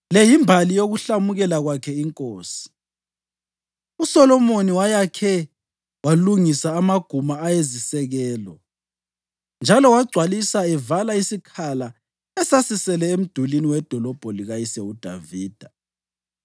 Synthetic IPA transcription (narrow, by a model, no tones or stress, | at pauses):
lɛjimbʱalijoɣuɬamuɣɛlaɣwakʰɛiŋkʼoːsi̥ | usɔlɔmoniwajakʰɛ | waluŋisaːmaɡ̥ʱumaːjezisɛɣɛːlɔ | nd͡ʒʱalɔwaɡ͡ǀʱwalisaɛvalaisikʰala | ɛsasisɛlɛem̩d̥ʱuliniwɛd̥ʱɔlɔb̥ʱɔliɣajisɛud̥ʱa̰viːd̥ʱa